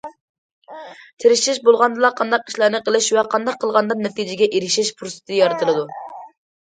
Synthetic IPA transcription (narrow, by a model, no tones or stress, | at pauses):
t̪ʰeɾɪʃɪʃbolˠʁɑnd̪ɨlˠɑqʰɑnd̪ɑqi̥ʃlˠɑɾnɨqəlˠɪʃwɛqʰɑnd̪ɑqʰːəlˠʁɑnd̪ɑnɛt̪id͡ʒɪɡʲɛʔeɾɪʃɪʃpʰuɾost̪ʰjɑɾɨt̪ʰɨlˠɨd̪u